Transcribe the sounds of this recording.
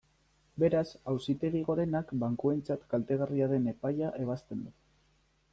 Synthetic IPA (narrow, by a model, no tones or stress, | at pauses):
be̞ɾasawsit̪e̞ɣiɣ̞o̞ɾe̞nakbaŋkuent͡sat̪kalt̪e̞ɣ̞ariaðe̞ne̞pajaʔe̞β̞ast̪e̞nd̪u